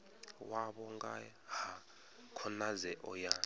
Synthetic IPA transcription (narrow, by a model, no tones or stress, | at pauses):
waɓɔŋɡa̰ | ha | kʰɔnazɛʔɔja